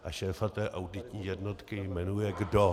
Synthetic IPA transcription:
ʔaʃɛːfat̪ɛːʔawdɪt̪ɲiːjɛdnot̪kɪjmɛnujɛɡdo

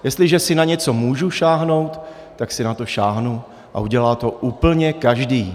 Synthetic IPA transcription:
jɛst̪lɪʒɛsɪnaɲɛt͡so̞muːʒuʃaːɦno̞wt̪ː | aksɪnat̪o̞ʃaːɦnu | ʔa̰ʔuɟɛlaːt̪o̞ʔuːpl̩ɲɛkaʒdiː

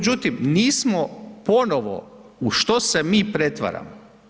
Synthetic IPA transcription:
d͡ʑut̪imniːsmopono̞ʋo̰uʃt̪osemiːpɾe̞t̪ʋa̰ɾa̰mo

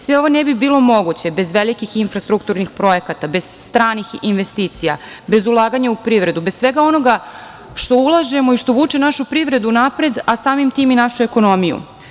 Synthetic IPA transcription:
sʋe̞o̞ʋo̞nebibiːlˠo̞mo̞ɡut͡ɕe̞be̞zʋelikixinfɾast̪ɾukt̪uɾnixpɾo̞e̞kat̪abe̞z̥st̪ɾaːnixinʋe̞st̪iːt̪sija̰ | be̞zulˠaːɡaɲaupɾiʋɾe̞d̪ubessʋe̞ɡao̞no̞ɡa | ʃt̪o̞ulˠaʒe̞moiʃt̪o̞ʋuːt͡ʂenaʃupɾiʋɾe̞d̪unapɾed̪asaːmimt̪iːminaʃueko̞nomijṵ

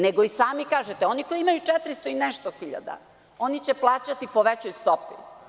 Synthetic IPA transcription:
neɡoisaːmikaːʒet̪eo̞niko̞iimajut͡ʂɛt̪ɾist̪oinɛʃt̪oxiʎa̰d̪a̰ | o̞nit͡ɕeplˠaːt͡ɕat̪ipoʋet͡ɕojust̪opi

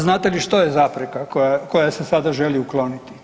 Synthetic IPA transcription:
znaːt̪eliʃt̪ojezapɾekakokojasesad̪aʒeliuklo̞ːnit̪i̥

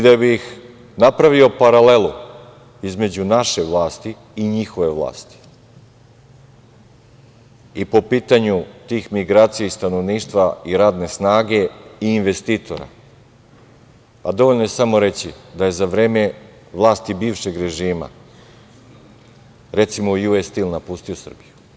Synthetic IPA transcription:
id̪abix | napɾaʋio̞paɾale̞lu | izme̞d͡ʑunaʃe̞ʋlˠaːst̪i | iɲixo̞ʋe̞ʋlˠa̰ːst̪i̥ | ipo̞piːt̪aɲut̪iːxmiɡɾaːt̪sijeist̪anoʋniːʃt̪ʋaiɾaːd̪ne̞snaːɡe̞iːnʋe̞st̪iːt̪ʰo̞̰ɾa̰ | pad̪o̞ʋo̞ʎnoje̞samo̞ɾe̞t͡ɕid̪aje̞zaʋɾe̞ːme̞ | ʋlˠaːst̪ibiːʋʃe̞ɡɾe̞ʒiːma̰ | ɾe̞t̪simojuest̪ilˠnapust̪iosr̩biju

